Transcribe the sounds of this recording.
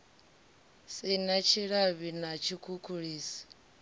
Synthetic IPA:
sinat͡ʃʰiɺaβinat͡ʃʰikʰukʰuɺiːsi̥

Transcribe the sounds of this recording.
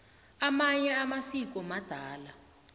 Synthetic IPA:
amaɲɛamasik̬ɔmad̥ʱaːla

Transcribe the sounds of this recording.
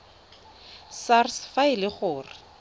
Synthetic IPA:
sarsfaɪlɪχʊːrɪ

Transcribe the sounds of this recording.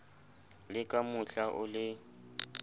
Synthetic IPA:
lɪkʼamʊɬaʔʊlɪ

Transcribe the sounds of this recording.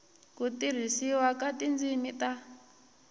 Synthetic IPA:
kutiɾ̤isiwakatind͡zimita

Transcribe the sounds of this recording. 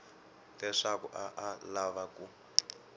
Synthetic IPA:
lɛʂakṵʔaʔalaβaku

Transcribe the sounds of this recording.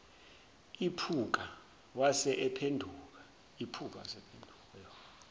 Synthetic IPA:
ipʰuk̬a | wasɛʔɛpʰendʱuk̬ḁ | ipʰuk̬ʼa̰wa̰sɛpʰendʱu | ɛɔ

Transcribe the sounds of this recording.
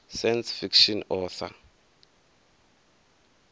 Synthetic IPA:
sajnsfikʃɔnɔːθa̰

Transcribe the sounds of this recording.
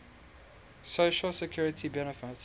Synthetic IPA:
soʃəlsəkʰjuːɹɪtʰibɛnəfɪt

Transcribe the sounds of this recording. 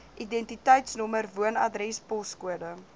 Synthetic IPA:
ʔidɛntitəjtsnɔmərvuənɐ̰drɾɛspɔskuədə

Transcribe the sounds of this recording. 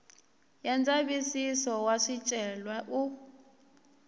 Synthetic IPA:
jand͡zaβisisɔwaʂit͡ʃʼɛlwaʔu

